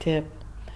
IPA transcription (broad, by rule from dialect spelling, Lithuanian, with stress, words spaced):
ˈtʲeːp